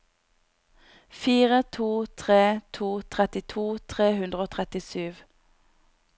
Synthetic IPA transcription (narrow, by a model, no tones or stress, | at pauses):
fiːʁət̪ʰuːt̪ʰʁeːt̪ʰuːt̪ʰʁɛt̪ɪt̪ʰuːt̪ʰʁeːhʉnd̪ʁəoːt̪ʰʁɛt̪ɪsyːʋ